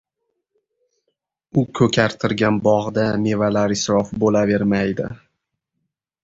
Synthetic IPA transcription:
ʊkʲʰɵkʲʰaɾt̪ʰɪɾɡʲanbɒʁd̪ame̞valaɾɪsɾɒfbolave̞ɾmajd̪ɪ̰

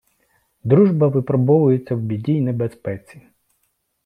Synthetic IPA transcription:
d̪ɾuʒbɐʋɪpɾɔbɔʋʊjet͡sʲːɐwbʲidʲiːnebespɛt͡sʲi

